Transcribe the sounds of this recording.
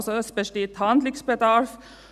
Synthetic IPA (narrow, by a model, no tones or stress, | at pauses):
sɔœspəʂʈit̪ʰɑːnd̪lɪksbɛd̪ɑːɾf